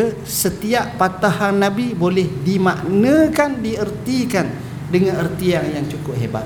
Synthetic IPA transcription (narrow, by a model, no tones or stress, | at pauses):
sət̪iaʔpat̪ahanːabibolɛhdimaʔnəkandiərt̪ikan | dəŋanərt̪iaŋjaŋt͡ʃukʊp̚ɦeba̰t̪̚